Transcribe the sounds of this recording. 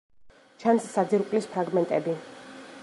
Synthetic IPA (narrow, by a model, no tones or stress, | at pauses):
t͡ʃʰansːad̪ziɾkʼlispʰɾaɡmɛnt̪ʼɛbi